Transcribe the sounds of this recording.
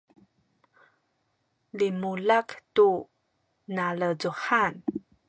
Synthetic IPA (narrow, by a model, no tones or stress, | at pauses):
limulaktu | naləzuħan